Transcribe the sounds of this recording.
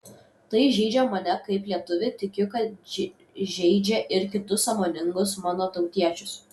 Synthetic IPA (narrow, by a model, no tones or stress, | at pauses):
t̪ɐɪʒʲɛɪd͡ʒʲɛmɐnʲɛkɐɪplʲiɛt̪ʊʋʲɪt̪ʲɪkʲʊkɐt̪ | ʒʲɛɪd͡ʒʲɛʔɪɾkʲɪt̪ʊsːɐmoːnʲɪŋɡʊsmɑːnoːt̪ɒʊt̪ʲiɛt͡ʃʲʊs